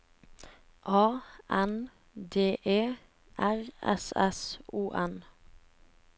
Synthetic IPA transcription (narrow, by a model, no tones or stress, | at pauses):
ʔɑːʔɛn | d̪eːʔeː | ʔæʁɛ̰sɛsʔuːʔɛn